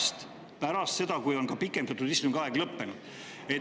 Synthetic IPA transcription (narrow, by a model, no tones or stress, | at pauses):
st̪ | pæɾɑst̪se̞d̪̥ɑkujo̞nkɑpikːˑend̪ɑt̪ːud̪̥ist̪umɡ̥ɑeɡ̥lɤpːe̞nud̪̥ | e